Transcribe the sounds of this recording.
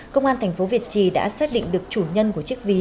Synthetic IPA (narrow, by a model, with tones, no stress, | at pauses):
kə˧wŋ͡mʔaː˧nt̪ʰjŋ̟fo˨˦vi˨˩ət̚t͡ɕi˨˩ɗa̰ː˧˥saː˦˥t̚ɗḭ˧˨ŋ̟ɗɨ˨˩ək̚t͡ɕu˧˩ɲə˧nku˧˩ət͡ɕɨ˦˥ək̚vi˧